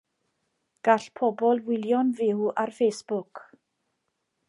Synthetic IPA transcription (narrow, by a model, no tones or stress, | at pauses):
ɡ̥aɬpʰɔbɔlˠwɪlˠjɔnvɪwarfejsb̥ʊk